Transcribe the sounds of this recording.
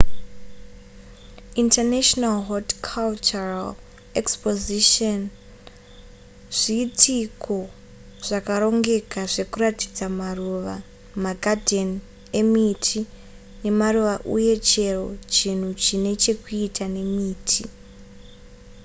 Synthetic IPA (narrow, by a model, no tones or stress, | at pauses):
intanaʃonalɦodkʰalt͡ʃural | ekspoziʃon | ʐiːtʰikʰo̞ | ʐ̥akaɾo̞ŋɡe̞kaʐe̞kurati̥d͡zamaruʋa | maɡʱadʱen | e̞mitʰi | ne̞maruʋaʔṵje̞t͡ʃe̞ro̞t͡ʃin̤ut͡ʃine̞t͡ʃe̞kuitʰane̞miːtʰi